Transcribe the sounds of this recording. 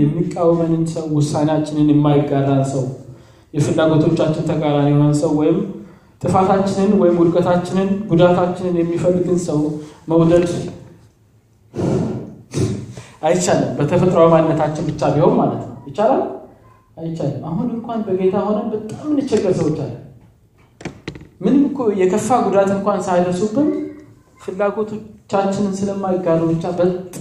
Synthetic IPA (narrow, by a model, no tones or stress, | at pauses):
jɛmːikʼːawːəmənɨnsəwːʊsːanat͡ʃːɪnɨnɛmːajɪɡːad̪ansəw | jɛfɨlːaɡo̞t̪ʰo̞t͡ʃːat͡ʃːɪnt̪ʰəɡaɾanehonənsəwːɔjɪm | t̪ʼɨfat̪ʰat͡ʃːɪnɨnwɔjɪmwʊlkʼət̪ʰat͡ʃːɪnɨnɡud̪at̪ʰat͡ʃːɪnɨnjɛmːifəlːɨɡ̪ɨnsəwməwd̪əd̪ | ʔajt͡ʃːaləmbət̪ʰəfət̪ʼɾawimanɨnːət̪ʰat͡ʃːɪnbɨt͡ʃːabiho̞nmalət̪nəwjɪt͡ʃalal | ajɪt͡ʃːaləmaɦunɨŋkʷanbəɡe̞t̪ʰaho̞nəbət̪ʼːamːɨnɨt͡ʃːɛɡːəɾsəwot͡ʃːa̰lːə | mɨnɨmkjɛkʰəfːaɡud̪at̪ɨŋkʷansajd̪əɾsubːɨn | fɨlːaɡo̞t̪ʰo̞t͡ʃːat͡ʃːɪnɨnsɨləmːajɪɡːazəbɨt͡ʃːabət̪